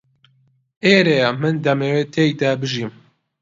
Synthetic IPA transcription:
ʔeːɾejamɨnd̪ɐmeːweːt̪ʰeːjd̪ɐbɨʒiːm

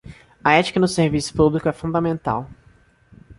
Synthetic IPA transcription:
ɐɛt͡ʃi̥kɐnʊseɾvisʊ̥publikʊɛfũd̪ɐmẽnt̪a̰w

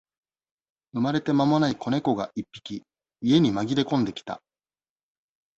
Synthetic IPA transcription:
ɯ̟maɾe̞t̪e̞mamo̞naiko̞ne̞ko̞ɡaʔipʲːi̥kʲi | ie̞ɲ̟imaɡʲiɾe̞kõ̞nd̪e̞kʲi̥t̪a̰

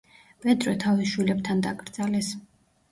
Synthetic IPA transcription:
b̥ɛd̪ɾɛt̪ʰaviʃwilɛb̚t̪ʰand̪aɡɾd̪zalɛs

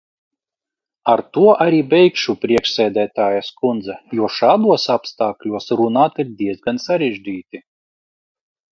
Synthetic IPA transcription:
aɾt̪uɔʔaɾʲiːbʲɛjkʃupɾiɛkʃsɛːd̪ʲæːt̪aːjaskund̪zajuɔʃaːd̪uɔsapst̪aːklʲuɔsɾunaːt̪iɾd̪iɛzɡansaɾɛʒʲd͡ʒʲiːt̪ʲi

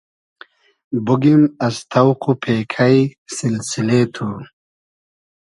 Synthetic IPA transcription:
buɡimɐst̪ʰɐwqupʰeːkʰɐjsilsilet̪ʰu

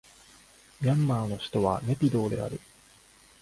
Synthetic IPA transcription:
mʲiãmːaːno̞ɕi̥t̪o̞βa̰ne̞pʲid̪o̞ːd̪e̞̰a̰ɾɯ̟

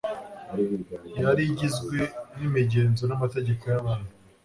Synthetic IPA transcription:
jaɾiɟizɡwe̞nimiɟeːnzo̞namate̞ɟe̞kojaβaːnhu

